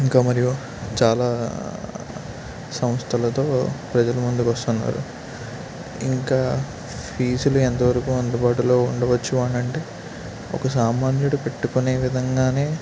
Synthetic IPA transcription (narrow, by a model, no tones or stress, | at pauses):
iŋkaːmɐɾiju | t͡ʃaːlaː | sɐmst̪ʰɐlɐt̪o̞ːpɾɐd͡ʒɐlɐmund̪ukʋɐst̪unːa̰ːɾṵ | ḭŋkaː | pʰiːsuluent̪ɐʋɐɾɐkuːɐnd̪ubaːʈulo̞ːuɳɖɐʋɐt͡ʃːuʋaːɳɐɳʈe̞ː | ɔ̰kɐs̬aːmaːnjuɽupe̞ʈːukune̞ːʋid̪ʱɐŋɡaːne̞ː